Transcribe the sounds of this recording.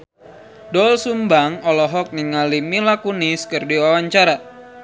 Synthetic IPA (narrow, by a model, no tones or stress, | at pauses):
dɔlsumbaŋɔlɔɦɔk̚niŋalimilakuniskɨrdiwawaɲt͡ʃaɾa